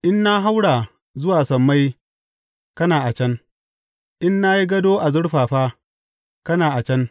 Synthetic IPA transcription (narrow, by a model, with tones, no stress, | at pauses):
ʔɪ˦nːa˦ɦa˦wɽaː˨ | zʊ˦waː˨sɐ˨mːa˦j | kɐ˦naː˨ʔa˨t͡ʃɐ˦ŋ | ʔɪ˦nːa˦ji˦ɡɐ˦doː˦ʔa˨zʊ˦ɽɸaː˨ɸaː˦ | kɐ˦naː˨ʔa˨t͡ʃɐ˦n